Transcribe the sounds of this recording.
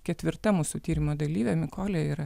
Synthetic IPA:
kʲɛt̪ʲʋʲɪɾt̪ɐmuːsut̪ʲiːɾʲɪmoːd̪ɐlʲiːʋʲɛmʲɪkoːlʲeiːɾɐ

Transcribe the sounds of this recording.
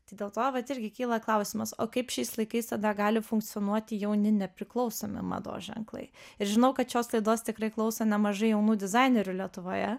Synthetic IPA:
t̪ɐɪd̪ʲeːlˠt̪oːʋɐt̪ɪɾʲɡʲɪkʲiːlˠɐklˠɐʊsʲɪmɐso̰ːkɐɪpʃʲɛɪslˠɐɪkɐɪst̪ɐd̪ɐɡɑːlʲɪfʊŋk̚t̪sʲɪoːnuɔt̪ʲɪjɛʊnʲɪnʲɛpʲɾʲɪklˠɒʊsoːmʲɪ̰mɑ̰d̪o̰ːʒʲɛ̰ŋklˠɐ̰ɪɪɾʒʲɪnɐʊkɐt̪ʃʲoːslˠɐɪd̪oːst̪ʲɪkɾɐɪklˠɐʊsɐnʲɛmɐʒɐɪjɛʊnuːd̪ʲɪzɑɪnʲɛɾʲʊlʲiɛt̪ʊʋoːjɛ

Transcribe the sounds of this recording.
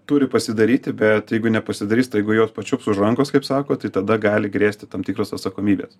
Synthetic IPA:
t̪uːɾʲɪpɐsʲɪd̪ɐɾʲiːt̪ʲɪbʲɛt̪jɛɪɡʊnʲɛpɐsʲɪd̪ɐɾʲiːst̪jɛɪɡʊjoːspɐt͡ʃʲʊpsʊʒɐŋkoːskɐɪpsɑːkoːt̪ɐɪt̪ɐd̪ɐɡɑːlʲɪɡɾʲeːsʲt̪ʲɪt̪ɐmt̪ʲiːkɾoːsɐt̪sɐkoːmʲiːbʲḛːs

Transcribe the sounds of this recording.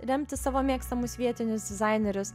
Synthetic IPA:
ɾʲɛmʲt̪ʲɪsɑːʋoːmʲiɛkst̪ɐmʊsʋʲiɛt̪ʲɪnʲʊsd̪ʲɪzɑɪnʲɛɾʲʊs

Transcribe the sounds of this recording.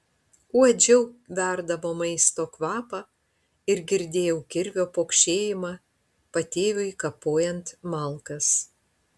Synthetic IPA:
uɔd͡ʒʲɛʊʋʲæˑɾd̪ɐʋoːmɐɪst̪oːkʋɑːpɑ | ɪɾɡʲɪɾʲd̪ʲeːjɛʊkʲɪɾʲʋʲoːpoːkʃʲeːjɪmɑ | pɐt̪ʲeːʋʲʊɪkɐpoːjɛnt̪mɐlˠkɐs

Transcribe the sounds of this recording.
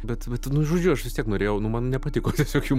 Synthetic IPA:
bʲɛt̪bʲɛt̪nʊʒoːd͡ʒʲʊɐʃʋʲɪst̪ʲiɛknoːɾʲeːjɛʊnʊmɐnnʲɛpɐt̪ʲɪkoːt̪ʲɛsʲoːkʲjuː

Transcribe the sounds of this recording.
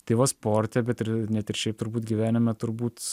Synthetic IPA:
t̪ʲeɪʋɐspoːɾʲt̪ʲɛbʲɛt̪ɪɾnʲɛt̪ɪɾʃʲɛɪp̚t̪ʊɾbuːt̪ɡʲiʋʲæːnʲɪmʲɛt̪ʊɾbuːt̪

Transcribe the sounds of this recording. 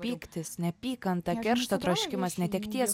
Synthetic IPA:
pʲiːkt̪ʲɪsnʲɛpʲiːkɐnt̪ɐkʲɛɾʃt̪ɐt̪ɾɐʃʲkʲɪmɐsnʲɛt̪ʲɛkt̪ʲiɛs

